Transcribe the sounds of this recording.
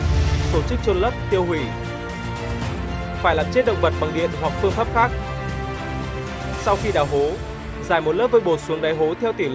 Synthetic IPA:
t̪o˧˩t͡ɕɨ˦˥k̚t͡ɕo˧nlə˦˥p̚t̪i˧əwhwi˧˩ | faː˧˩jlaː˨˩mt͡ɕe˦˥t̚ɗə̰˧˨wŋ͡mvə˨˩t̚ɓa˨˩ŋɗḭ˧˨ənwa˨˩k̚fɨ˧əŋfaː˦˥p̚xaː˦˥k̚ | sa˧wxi˧ɗaː˧˩wɦo˨˦ | zaː˧˩jmo˨˩t̚ləː˦˥p̚vəː˧jɓo˨˩su˨˦əŋɗaː˨˦jɦo˨˦t̪ʰɛ˧wt̪i˧˩l

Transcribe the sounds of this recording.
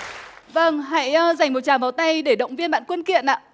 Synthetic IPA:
və˧˩ŋɦa̰˧˥˦jəː˧za˨˩jŋ̟mo˨˩t̚t͡ɕaː˨˩vaː˨˩wt̪a˧jɗe˧˩ɗə̰˧˨wŋ͡mvi˧ənɓa̰ː˧˨nkwə˧nkḭ˧˨ənʔa̰ː˧˨

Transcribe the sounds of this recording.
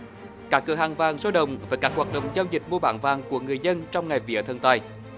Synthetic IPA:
kaː˦˥kːɨ˧˩əhaː˨˩ŋvaː˨˩ŋso˨˦ɗə̰˧˨wŋ͡mvaː˨˩kaː˦˥k̚haː˨˩t̚ɗə̰˧˨wŋ͡mzaː˧wzï˨˩k̟̚mu˧əɓa̰ː˧˩nvaː˨˩ŋku˧˩əŋɨ˨˩əjzə˧nt͡ɕɔ˧wŋ͡mŋa˨˩jvḭ˧˥ət̪ʰə˨˧˩nt̪a˧˩j

